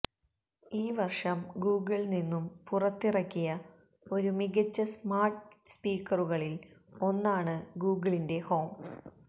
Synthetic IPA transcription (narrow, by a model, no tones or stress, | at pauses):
iːʋɐrʂɐmɡuːɡɨɭninːumpurɐt̪ːirɐkːijɐ | o̞ɾumiɣɐt͡ɕːɐsmaːrʈspiːkːɐruɣɐɭilo̞nːaːɳɨɡuːɡɨɭinde̞ho̞ːm